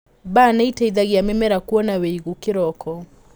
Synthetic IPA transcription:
banaitaiðaɣiamɛmɛɾakuɔnaweiɣukeɾɔkʰɔ

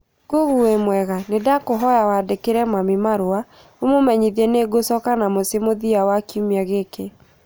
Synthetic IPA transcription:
ɡ̥oɣuemwɛɣanedakoɦɔjawadekeɾɛmamimaɾoa | omomɛɲiðiɛneɡosɔkanamosemoðiawakiumiaɣeke

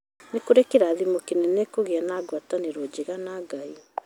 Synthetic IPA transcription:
nekoɾekeɾaːðimokenɛnɛkoɣeanaːɡwataneɾɔd͡ʑeɣanaɡai

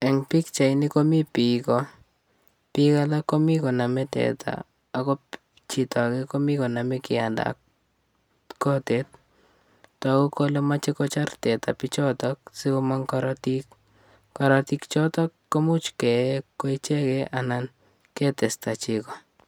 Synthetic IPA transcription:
eŋpikt͡ʃainikomipiko | pikalakomikonamɛtɛ̰tʰa̰ː | kop | t͡ʃitʰakekomikonamekianda̰k | kotet̚ | tɔkukolemat͡ʃekot͡ʃartɛta̰pit͡ʃɔtɔk̚sikomaŋkaɾɔtik | kaɾɔtikt͡ʃɔtɔkːomut͡ʃkɛkːoit͡ʃɛkeʔanan | ketestat͡ʃikɔ

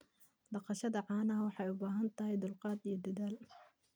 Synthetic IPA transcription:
d̪ɑqɑʃɐðɐʕɑːnɐɦɐwɑħɑjʊbaːɦɐnt̪ʰɐɦɛjd̪ʊlqɑːd̪ijɞd̪ɐðaːl

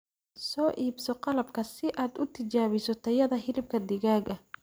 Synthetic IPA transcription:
sɔːʔiːbsɔqɑlɐbkʰɐsɪʔaːd̪ʊt̪ʰɪt͡ʃaːβɪsɔt̪ʰɐjɐðɐɦɪlɪb̚kʰɐd̪ɪɣaːɡɐ

